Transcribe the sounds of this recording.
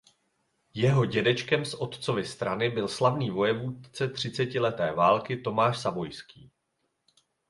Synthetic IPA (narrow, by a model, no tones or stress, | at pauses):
jɛɦo̞ɟɛdɛt͡ʃkɛmsʔo̞t̪t͡so̞vɪst̪ɾanɪbɪlslavniːvo̞jɛvuːt̪t͡sɛt̪r̝̥ɪt͡sɛcɪlɛt̪ɛːvaːlkɪt̪o̞maːʃsabo̞jskḭː